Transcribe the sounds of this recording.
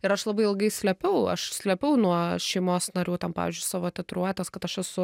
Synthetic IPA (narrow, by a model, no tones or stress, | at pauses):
ɪɾɐʃlˠɐbɐɪɪlˠɡɐɪsʲlʲɛpʲɛʊɐ̰ʃsʲlʲɛpʲɛʊnuɔʃʲɛɪmoːsnɐɾʲuːt̪ʲɛnpɑ̰ːʋʲḭzʲd͡ʒʲʊɪsɑːʋoːt̪ʲɪt̪ɾuɔt̪ʲɛskɐt̪ɐʃɛsʊ